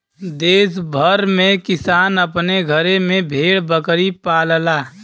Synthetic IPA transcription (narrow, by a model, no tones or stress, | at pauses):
d̪eːsbʱəɾmẽkɪsaːnəpneɡʱəɾemẽbʱeːɽbəkɾipaːllaː